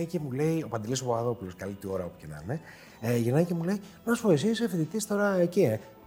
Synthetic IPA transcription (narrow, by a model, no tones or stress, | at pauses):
cemule̞io̞pɐnd̪elisopoɐðo̞puloskɐlit̪io̞ɾɐopu̥cenɐ̰ne | ʝenɐcemule̞i | nɐsfoisisefid̪it̪ist̪o̞ɾɐecie